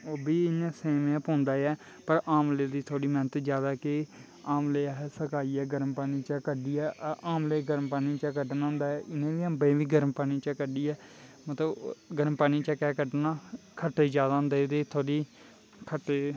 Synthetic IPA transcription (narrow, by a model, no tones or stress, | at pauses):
oːbiːɪnãːseːmẽpõːnd̪aːɛː | pəɾaːmleːd̪iːt̪ʰoːɽiːmɛ̃ːnət̪d͡ʒjaːd̪aːke | aːmleːaɦsəkaːiːɛːɡəɾmpaːniːt͡ʃəkəɖiːɛːʔʔaːmleːɡəɾmpaːniːt͡ʃəkəɖnaːnd̪aːɛːʔɪnẽːʋiːəmbẽːʋiːɡəɾmpaːniːt͡ʃəkəɖiːɛːmət̪ləbɡəɾmpaːniːt͡ʃəkɛːkəɖnaːkʰəʈːeːd͡ʒjaːd̪aːʊ̃nd̪eːt̪eːt̪ʰoːɽiː | kʰəʈːeː